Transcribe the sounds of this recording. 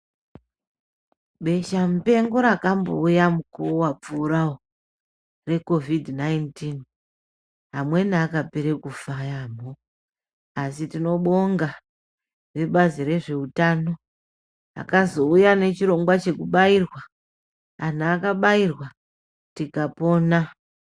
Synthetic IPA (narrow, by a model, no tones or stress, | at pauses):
ɓe̞ʃamupe̞ŋɡoɾakambo̰ujamukurowap͡fuːɾao | re̞ko̞vidnajntin | ɦamwe̞nakapeɾekufajamo | asitino̞ɓo̞ŋɡa | ʋe̞ɓaziɾe̞ʐe̞utano̞ | a̰kazo̞ujane̞t͡ʃiɾo̞ŋɡwat͡ʃe̞kuɓairwaː | n̤aːkaɓairwa | tikapo̞ːna